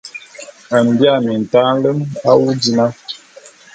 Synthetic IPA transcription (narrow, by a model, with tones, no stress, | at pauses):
a˨m˨bja˦˨mi˨n̩˨ta˦n˦lə˦ma˦wu˦di˦na˦